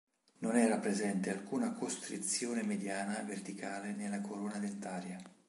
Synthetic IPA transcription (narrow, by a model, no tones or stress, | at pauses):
nonɛːɾapɾezɛnt̪ealkuːnakost̪ɾit̪sːjoːnemed̪jaːnavert̪ikaːlenelːakʰoɾoːnad̪ent̪aːɾja